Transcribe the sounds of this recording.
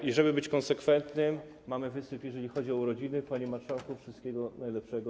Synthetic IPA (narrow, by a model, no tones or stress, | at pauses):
jɛʐɛbɘbɘt͡ɕkɔnsɛkfɛnt̪nɘmː | amɘvɘsɘpjɛʐɛlʲixɔd͡ʑiɔuɾɔd͡ʑinɘpaɲimaɾʂawkufʂɨst̪kʲɛɡɔnajlɛpʂɛɡɔ